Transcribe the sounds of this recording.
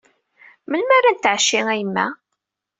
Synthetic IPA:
məlmæɾænt̪ʕʃːiŋæjəmːæ̰

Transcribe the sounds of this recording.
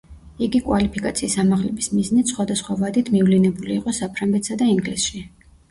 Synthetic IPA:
iɡikʼwalipʰikʼat̪sʰiːsamaʁlɛbismiznit̪sχwad̪asχwavad̪it̪ʰmivlinɛbuliːqʼɔsapʰɾaŋɡɛt̪ʰsad̪aiŋɡlisʃi

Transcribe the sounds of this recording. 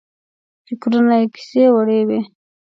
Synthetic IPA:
fɪkɾunajeki̥sewaɽewe

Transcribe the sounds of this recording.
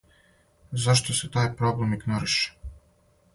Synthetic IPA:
zaʃt̪oset̪aːjpɾoblemiɡnoɾiʃe̥

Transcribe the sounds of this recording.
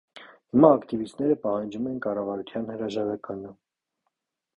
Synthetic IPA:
himɑːkt̪ivist̪nɛɾəpɑhɑnd͡ʒumɛnkɑrɑvɑɾut̪ʰjɑnhəɾɑʒɑɾɑkɑnə

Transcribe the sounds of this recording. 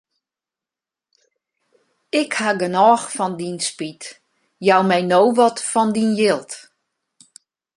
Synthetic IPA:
ɪkhaɡənɔːxfɔndinspit | jawmɛjnoːwʋɔtfɔndinjɪlˠt

